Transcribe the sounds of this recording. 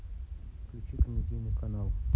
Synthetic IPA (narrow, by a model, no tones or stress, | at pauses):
klʲʊt͡ʃik̪ʲmʲɪdʲijnɨkɐnalˠ